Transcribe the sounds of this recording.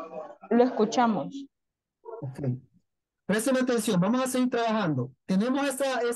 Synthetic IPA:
loeskut͡ʃamos | okej | pɾest̪elat̪ẽnsjo̞mbamosas̬eɣiɾt̪ɾaβaxand̪ot̪enemosesae

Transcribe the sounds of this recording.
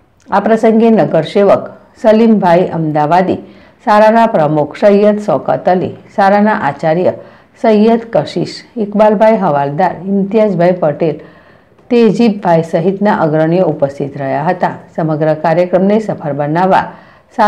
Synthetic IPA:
apɾəsəŋɡenəɡəɾɕeʋək | səlimbʱajʔə̰md̪aʋad̪ḭ | saɾanapɾəmukʰsəjːət̪sɔkə̰t̪əlḭsaɾanaʔat͡ɕaɾjə | səjət̪kəɕiʂikbalbʱajɦəʋald̪aɾint̪ijad͡zbʱajpəʈel | t̪ed͡ʑibbʱajsəɦit̪naʔəɡɾəɳjəupəst̪ʰit̪ɾəjaɦət̪asəməɡɾəkaɾjəkɾəmnesəfʰəɾbənaʋa̰ | sa

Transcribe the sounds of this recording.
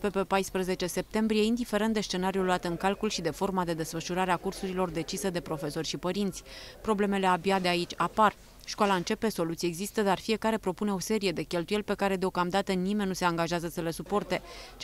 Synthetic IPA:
pe̞pepajspɾəze̞t͡ʃe̞se̞p̚t̪e̞mbɾije̞ind̪ife̞ɾent̪d̪e̞st͡ʃe̞naɾijuluat̪ɨŋkalkulʃid̪e̞fo̞rmad̪e̞d̪e̞sfəʃuɾaɾeakursuɾilo̞rd̪e̞t͡ʃisəd̪e̞pɾo̞fe̞so̞rʲʃipəɾint̪sʲpɾo̞ble̞me̞le̞abjad̪e̞ait͡ʃʲapar | ʃkwalaɨnt͡ʃe̞pe̞so̞lut̪sieɡzist̪əd̪arfije̞kaɾe̞pɾo̞pune̞o̞se̞ɾije̞d̪e̞kʲe̞lt̪uje̞lʲpe̞kaɾe̞d̪eo̞kamd̪at̪ənimenʲːuse̞aŋɡaʒazəsəle̞supo̞rt̪e̞

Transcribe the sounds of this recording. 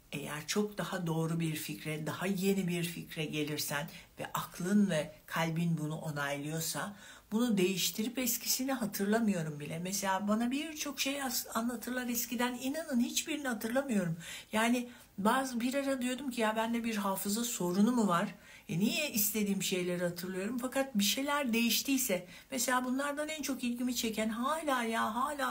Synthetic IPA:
e̞̰jæ̰ɾt͡ʃʰo̞k̚d̪ahad̪o̞ːɾubiɾficɾɛd̪ahaje̞nibiɾficɾɛɟe̞lʲiɾsænvɛ̰ʔakʰlˠɯnvɛkʰalʲbinbunuʔo̞najlˠɯjo̞sa | b̥unud̪e̞jiʃt̪ʰiɾipɛscʰi̥siniɦat̪ʰɯɾlˠamɯjo̞ɾumbilʲɛmɛse̞lʲaːbanabiɾt͡ʃʰo̞kʃe̞jasanlˠat̪ʰɯɾlˠaɾɛscid̪æninanɯnhit͡ʃbiɾinihat̪ʰɯɾlˠamɯjo̞ɾumjaːnɪ | bazbiɾaɾad̪yjo̞d̪umcʰijabænd̪ɛbiɾɦaːfɯzaso̞ɾunumuvaɾ̥ | ɛnijɛist̪ʰe̞d̪iːmʃe̞jlʲeɾihat̪ʰɯɾlˠɯjo̞ɾumfakat̪̚biʃe̞jlʲæɾd̪e̞jiʃt̪ʰiːsɛ | mese̞lʲaːbunlˠaɾd̪anænt͡ʃʰo̞kilʲɟimit͡ʃʰe̞cʰænɦaːlʲaːjaːɦaːlʲaː

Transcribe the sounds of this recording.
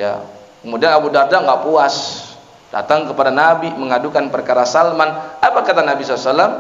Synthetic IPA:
ja̰ | kəmudianabudardaŋɡaʔpuas | d̥a̰t̪aŋkəpadanabiməŋadukanpərkaɾasalmanapakat̪anabisɔlasalːam

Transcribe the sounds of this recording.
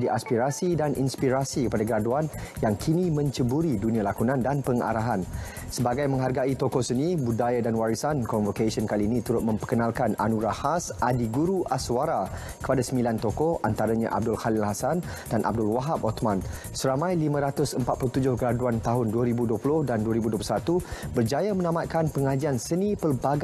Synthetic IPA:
diʔaspiɾasidanʔḭnspiɾasikəpadaɡəɾaduanjaŋkʰinĩmə̃ɲt͡ʃəbuɾidunĩalakunãndanpəŋa̰ɾaɦan | səbaɡajmə̃ŋɦarɡait̪okosənibudajadanwaɾisankɔnvokasiɔnkaliːnĩt̪uɾʊt̪̚mə̃mpəkənãlkana̰nuɡɾahasʔadiɡuɾuʔaswaɾa | kə̥padasəmbilant̪okɔʔa̰nt̪aɾaɲã̰ʔa̰b̚dʊlxalɪlhasan | danʔa̰b̚dʊlwaɦap̚ɔt̪mãn | səɾamãjlimə̃ɾat̪ʊsəmpat̪̚pulut̪ud͡ʒʊhkəɾaduant̪aɦʊnduəɾibuduəpulʊhdanduəɾibuduəp̬ulusat̪ubərd͡ʒajamə̃nãmat̪̚kanpəŋad͡ʒiansənipəlbaɡ

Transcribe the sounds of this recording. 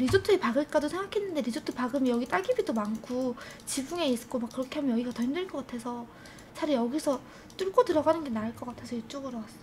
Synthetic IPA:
ɾid͡ʑotʰɯepaɡɯɭk͈adosʰe̞ŋɡakʰe̞nːɯnde̞ɾid͡ʑotʰɯpaɡɯmijʌɡit͈aɡibidomankʰu | t͡ɕibuŋe̞is͈k͈omakːɯɾʌkʰe̞ɦamjʌnjʌɡiɡatʌɦimdɯɭk͈ʌk͈atʰe̞sʰʌ | t͡ɕaɾijʌɡisʰʌ | t͈uɭk͈otɯɾʌɡanɯnɡe̞naɯɭk͈ʌk͈atʰesʰʌit͡ɕ͈oɡɯɾʌwasʌ

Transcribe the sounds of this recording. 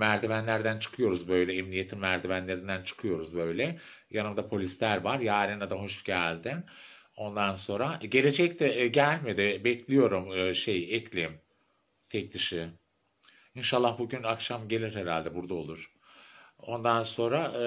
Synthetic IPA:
mæɾd̪ivænlʲæɾd̪ænt͡ʃʰɯ̥kʰɯjo̞ɾuzbø̞jlʲɛɛmnije̞t̪ʰimmæɾd̪ivænlʲe̞ɾind̪ænt͡ʃʰɯ̥kʰɯjo̞ɾuzbø̞jlʲɛ | janɯmd̪apʰo̞lʲislʲæɾvaɾjaːɾinad̪aɦo̞ʃɟælʲd̪ɪn | o̞nd̪anso̞nɾaɟe̞lʲe̞d͡ʒɛc̚t̪ʰɛɟælʲme̞d̪ɪbɛclʲijo̞ɾumʃejɛcʰlʲim | t̪ʰɛc̚d̪iʃi | inʃalˠːaxbuɟynakʃamɟe̞lʲiɾɦeɾalʲd̪ɛbuɾd̪ao̞lˠuɾ̥ | o̞nd̪anso̞nɾa

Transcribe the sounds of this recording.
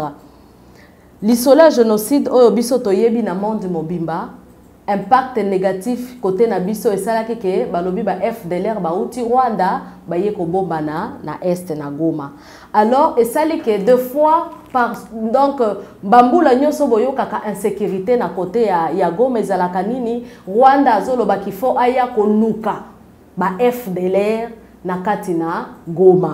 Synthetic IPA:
lisoleʒenosidojobisotojebinamɔ̃ndmobimba | ɛ̃mpak̚tneɡatifkotenabisoesalakikebalobibaʔɛfdelɛʁbautiʁwandabajekobombanana̰ʔɛstnaɡoma | alɔʁesalikedefwapadɔ̃kbambulaɲɔ̃sobojokakaʔɛ̃sekyʁitenakotejajaɡomaezalakaniniʁwandazolobakifoʔajakoluka | baʔɛfdelɛʁ | nakatinaɡoma

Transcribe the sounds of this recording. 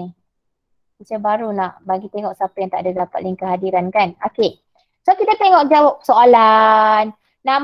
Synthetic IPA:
kit͡ʃəbaɾunaʔbaɡit̪eŋɔʔsapajaŋt̪a̰ʔadadapat̪liŋkəɦadiɾankanoke | sokit̪at̪eŋɔʔkd͡ʒawap̚soʔalanː | ãm

